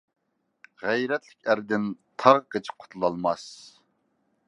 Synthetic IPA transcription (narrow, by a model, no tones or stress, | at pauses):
ʁæjɾɛt̪lɪkʲæɾd̪ɪnt̪ʰɑʁqət͡ʃʰɪ̥qʰʊ̥t̪ʰlˠɑlˠmɑs